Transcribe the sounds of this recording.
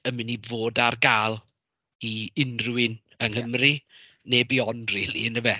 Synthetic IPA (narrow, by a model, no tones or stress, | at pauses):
əmɪnivoːdarɡaːlˠ | iɪnrwɪn | əŋhəmri | nebiɔnriːlˠḭnəvɛ